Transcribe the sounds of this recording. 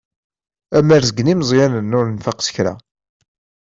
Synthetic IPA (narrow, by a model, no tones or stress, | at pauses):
æmæɾzəɡnimzˤjænənːʊɾnfaqsə̥çɾæ̰